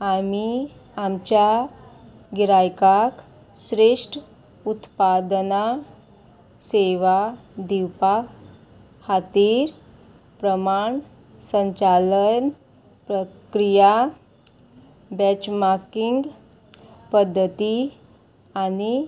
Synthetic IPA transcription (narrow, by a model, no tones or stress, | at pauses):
amiamt͡ɕja | ɡiɾajkak | sɾeʂʈ | ut̪pad̪na | seʋad̪iwpa | hat̪iːɾ | pɾəmaɳ | səɲt͡ɕalən | pɾəkɾija | bɛt͡ɕmaɾkiŋɡ | pəd̪ʱːət̪i | ani